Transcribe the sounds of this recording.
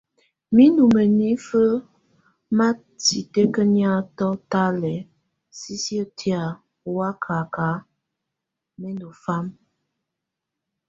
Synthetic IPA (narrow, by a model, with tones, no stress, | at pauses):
mi˦nu˨mə˨ni˦fə˦ | ma˦ | ti˨te˦kə˦nja˦tɔ˦ta˦lɛ˨ | si˦sjə˦tʰi˦a˨ | wa˦kʰa˨ka˨˦ | mɛ˦ndo˨fa˦m